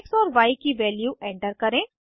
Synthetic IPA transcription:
ksɔːɾʋaːikiʋɛːljuɛ̃ːɳʈəɾkɐɾẽː

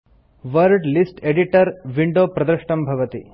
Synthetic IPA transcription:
ʋɐɾɖlisʈeɖiʈɐɾʋiɳɖoːpɾɐd̪ɾɐʂʈɐmbʱɐʋɐt̪i

